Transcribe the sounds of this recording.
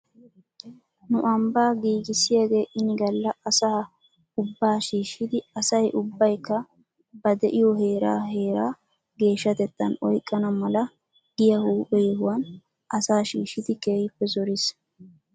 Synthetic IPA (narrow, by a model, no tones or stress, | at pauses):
nʊʔɐmbaːɡiːɡɪsɪjaɡe̞ːʔɪnɪɡɐlːɐɐsaː | ʊbːaːʃiːʃːɪd̪ɪɐsɐjʔʊbːɐjkːɐ | bɐd̪ɛʔɪjɔɦe̞ːɾa̰ːhe̞ːɾaː | ɡe̞ːʃːɐt̪ɛt̪ːɐ̰nɔjkʼːɐnɐmɐlɐ | ɡ̥ɪjɐhuːpʼɛjɛhʊwɐn | ʔɐsaːʃiːʃɪd̪ɪkeːjɪpːɛzɔɾɪs